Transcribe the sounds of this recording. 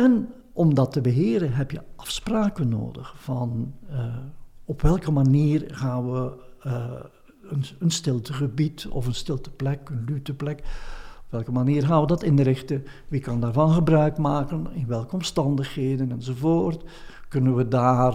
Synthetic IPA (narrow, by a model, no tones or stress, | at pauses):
ɛn | ɔmdɑtəbəɦɪːɾəɦɛpjəɑfspraːkənːo̰ːdəxfɑn | ɔpʋɛlˠkəmaniːrɣaːnʋə | ənənstɪlˠtəɣəbitɔ̰fənstɪlˠtə̥plɛkənlytəplɛkɔpʋɛlˠkəmaniːrɣaːnʋədɑtɪndəɾɪxtə | ʋikɑndaːrvɑnɣəbrœɥkmaːkənɪnʋɛlˠkəɔmstɑndəχheːdənɛnzovoːrt | kɵnənʋədaːr